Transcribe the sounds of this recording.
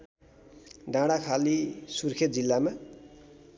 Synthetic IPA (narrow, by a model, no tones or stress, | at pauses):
ɖãɽakʰalisurkʰet̪̚d͡zilːama